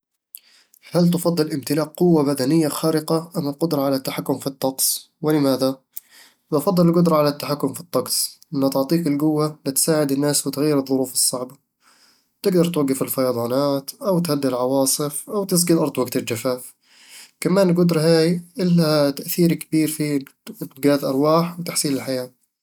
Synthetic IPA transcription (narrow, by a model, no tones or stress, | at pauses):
halt̪̬ɑfɑd̪ˤːɨlʔɪmt̪ɪlaːqːʊwːabad̪anɪjːaxaːɾɪqaʔamːalqʊd̪ɾˤɑʕalat̪ːaħakːʊmfit̪ˤːɑqsˤ | wɪlɪmaːða | mɑfɑd̪ˤːɨlɪlɡʊd̪ɾˤɑʕalat̪ːaħakːʊmfi̥t̪ˤːɑqsˤʔɪnːat̪ɪʕt̪ˤiːqɪlɡʊwːalɪt̪saːʕɪd̪ɪnːaːswɪt̪ɣajːɪɾɨðˤːʊɾuːfɨsˤːɑʕba | t̪ɪɡd̪ɑɾˤt̪waɡːɪfɪlfɑjɑd̪ˤɑːnaːt̪ʔawt̪had̪ːlʕɑwɑːsˤɨfʔawt̪ɪs̬ɡɪlʔɑɾˤd̪ˤwaɡt̪ɪld͡ʒafaːf | kamaːnlɡʊd̪ɾˤɦaːjʔɪlːat̪aʔθiːɾkabiːɾfi | ɡaːðʔɑɾˤwaːħwɪt̪aħsiːlɪlħajaː